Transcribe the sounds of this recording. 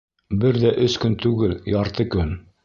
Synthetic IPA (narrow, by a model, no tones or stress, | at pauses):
bɘɾðæʔɵskɵnt̪ʉɡɘljɑɾt̪ɤkɵn